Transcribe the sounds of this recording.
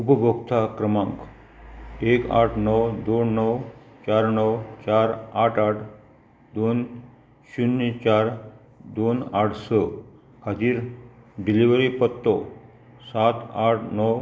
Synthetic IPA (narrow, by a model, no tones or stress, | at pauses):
upəbʱokt̪ʰakɾəmãŋk | eka̰ʈʰnɔwd̪onːɔw | t͡ɕaɾnəwt͡ɕaɾaʈʰaʈʰ | d̪on | ɕunːit͡ɕaɾ | d̪onaʈʰsə | kʰat̪iːɾɖiliʋɾipət̪ːɔ | sat̪aʈʰnɔw